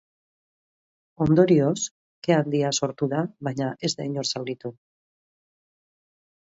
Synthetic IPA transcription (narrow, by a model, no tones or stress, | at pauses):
o̞nd̪o̞ɾio̞s | keald̪iaso̞ɾt̪uðaβajɲaʔe̞zd̪ajɲo̞ɾsalɣit̪u